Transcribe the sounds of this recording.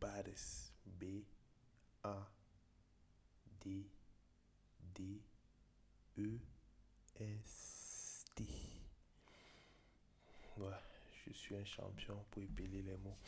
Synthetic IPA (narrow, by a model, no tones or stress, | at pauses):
baɾɛsbe | a | d̪e | d̪e | ø | ɛs | t̪e | waʒ̥əsɥiɛ̃ʃɑ̰̃pjɔ̃puepelelɛmo